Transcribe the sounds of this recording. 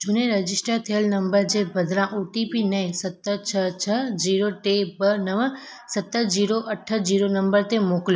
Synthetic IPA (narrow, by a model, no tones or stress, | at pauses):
d͡ʒuneɾəd͡ʒisʈəɾt̪ʰəjəlnəmbəɾd͡ʒebʱəd̪ʱɾãʔoʈipinəĩsət̪ːət͡ʃʰət͡ʃʰəd͡ʒiɾoʈebənəʋə | sət̪ːəd͡ʒiɾoʔəʈʰːəd͡ʒiɾonəmbəɾt̪emokljo